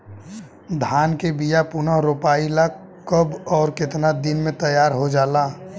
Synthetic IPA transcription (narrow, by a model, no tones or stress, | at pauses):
d̪ʱaːnkebijapunaɦɾoːpaːila | kəbɔːɾkɪt̪nad̪ɪnmẽt̪əjaːɾɦod͡ʒaːlaː